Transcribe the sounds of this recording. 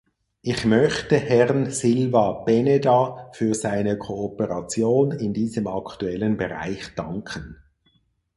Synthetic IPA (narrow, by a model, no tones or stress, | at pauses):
ʔɪçmœçtəhɛʁnsɪlvab̥ɛnedafyːɐzaɪnəkʰoːpəʁɑt͡sjoːnɪndiːzəmɑktuɛlənbəʁa̰ɪçd̥ɑŋkʰən